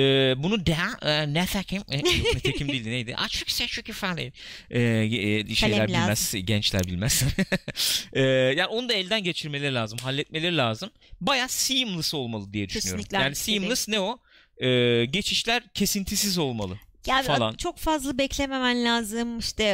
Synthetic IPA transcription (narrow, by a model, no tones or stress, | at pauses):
ɛːbunud̪ɛnɛt̪ʰæcʰimnɛt̪eimd̪ild̪inejd̪ḭʔa̰t͡ʃʰokʰsɛt͡ʃʰocifalʲḛjɛʃejllʲæɾbilmæzɟɛnt͡ʃlʲæ̰ɾbilʲmæz̥ | ɛːjaːnio̞nud̪aɛlʲd̪ænɟe̞t͡ʃʰiɾme̞lʲe̞ɾilʲaːzɯmɦalʲːɛt̪̚me̞lʲe̞ɾilʲaːzɯm | bajaːsɯjɯmlˠɯso̞lˠmalˠɯd̪ijɛd̪yʃynyjonɾʲjaːnisɯjɯmlˠɯsnɛo | ɛːɟe̞t͡ʃʰiʃlʲæɾcʰe̞sint̪ʰisizo̞lˠmalˠɯjafalˠa̰nt͡ʃʰo̞kfazlˠɯbɛclʲememænlʲaːzɯmiʃt̪ɛ